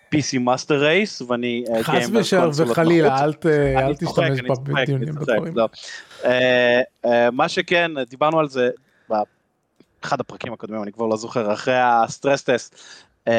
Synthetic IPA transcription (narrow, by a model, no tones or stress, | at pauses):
pisimasteʁːejsveanieejmveʃeʁvelalilaalt̪ealtt̪iʃoʃt̪aekeʃaniaekd̪iunieilove | emaʃekend̪ibaʁnualze | ba | eχad̪apʁakimako̞d̪mimanikvaʁlo̞zo̞χeʁaχʁejast̪ʁest̪est